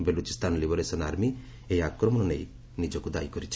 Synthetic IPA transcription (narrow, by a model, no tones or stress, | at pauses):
belut͡ʃist̪anlibɔɾesɔnaɾmi | ejakɾɔmɔnɔnej | nid͡ʒɔkud̪a̰jkɔɾit͡ʃʰ